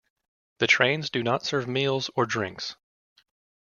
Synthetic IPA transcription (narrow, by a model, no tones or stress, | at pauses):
ðɨtʰɹ̥ẽɪ̃nzdɨnətsɜ˞vmilˠzə˞dɹɪ̰̃ŋks